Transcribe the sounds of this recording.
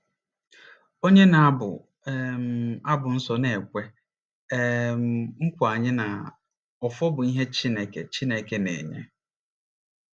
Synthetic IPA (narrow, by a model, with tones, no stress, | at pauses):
o˦ɲe˦na˨a˦bʊ̰˨ | m˨a˦bʊ˨n̩˦sɔ˨ne˨kʷe˦ | mŋ̩˦kʷʊ˨a˨ɲɪ˦na˨ | ɔ˨fɔ˦bʊ˨i˦ɦe˦t͡ʃi˦ne˨ke˨t͡ʃi˦ne˨ke˦nḛ˨ɲḛ˦